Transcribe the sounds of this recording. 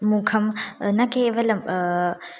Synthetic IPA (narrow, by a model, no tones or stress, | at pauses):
mukʰɐmnɐkeʋɐlɐm